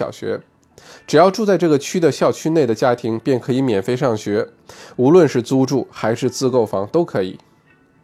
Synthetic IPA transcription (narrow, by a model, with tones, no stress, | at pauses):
ɑ̰˨˩ʊɕɥɛ̰˧˥ | ʈ͡ʂɻ̩˨˩jɑ˥˧ʊʈ͡ʂu˥˧t͡sa˥˧ɪʈ͡ʂɤ˥˩ɡə˩t͡ɕʰy˥d̪ə˨ɕjɑ˥˩ʊt͡ɕʰy˥ne˥˩ɪd̪ə˩t͡ɕja˥t̪ʰi˧˥ŋpjɛ˥˩nkʰɤ˧˥i˧˥mjɛ˨˩nfe˥ɪʂɑ˥˩ŋɕɥɛ˧˥ | u˧˥lwə˥˧nʂɻ̩˥˩t͡su˥ʈ͡ʂu˥˩xa˧˥ɪʂɻ̩˥˧t͡sɹ̩˥˧ko˥˩ʊfɑ̰˧˥ŋt̪o˥ʊkʰɤ˧˥ḭ˨˩˦